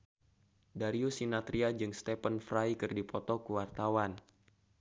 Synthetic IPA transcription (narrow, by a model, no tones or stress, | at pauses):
daɾiusinat̪ɾiad͡ʒɨŋst̪ɛpənfrajkɨrdipɔt̪ɔkuwart̪awan